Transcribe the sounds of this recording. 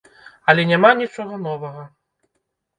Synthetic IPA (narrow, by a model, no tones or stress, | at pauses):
ɐlʲɛnʲamanʲit͡ʂɔɣɐnɔvɐɣɐ